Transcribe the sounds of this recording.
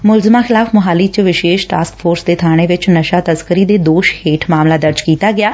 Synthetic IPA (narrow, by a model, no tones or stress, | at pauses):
mʊlzmãːxʰɪlaːfmʊɦaːliːt͡ʃʋɪʃeːʃʈaːskpʰoːɾsd̪eːt̪ʰaːɽ̃eːʋɪt͡ʃnəʃaːt̪əzkəɾiːd̪eːd̪oːʃheːʈʰmaːmlaːd̪əɾd͡ʒkiːt̪aːɡɪjaː